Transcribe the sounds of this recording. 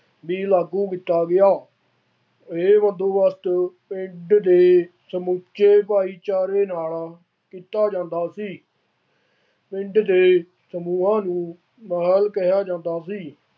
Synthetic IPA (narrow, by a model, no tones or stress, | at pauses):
ʋiːlaːɡuːkit̪aːɡɪjaː | eːʋə̃nd̪õːʋəst̪pɪ̃ɳɖd̪eː | səmut͡ʃːt͡ʃeːpaːiːt͡ʃaːɾeːnaːlaː | kiːt̪aːd͡ʒãːnd̪aːsiː | pɪ̃ɳɖd̪eː | səmuːãːnũː | məːɦəlkəɦjaːd͡ʒãːnd̪aːsiː